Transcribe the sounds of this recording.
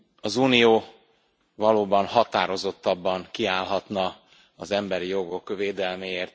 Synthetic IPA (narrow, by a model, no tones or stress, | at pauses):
ɒzuːnijoː | vɒloːbɒnɦɒt̪aːɾo̞zo̞t̪ːɒbːɒŋkiaːlɦɒt̪nɒ | ɒzɛmbɛɾijo̞ɡo̞kveːd̪ɛlmeːeːrt̪